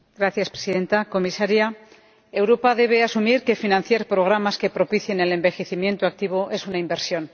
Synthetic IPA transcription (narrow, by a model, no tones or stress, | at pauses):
ɡɾaθjaspɾesiðe̞nt̪ako̞misaɾja | e̞wɾo̞pað̞e̞β̞e̞asumiɾke̞finãn̟θjaɾpɾo̞ɣ̞ɾamaske̞pɾo̞piθje̞ne̞le̞mbe̞xe̞θimjẽ̞nt̪oak̚t̪iβ̞oʔe̞sunaimbe̞ɾsjo̞n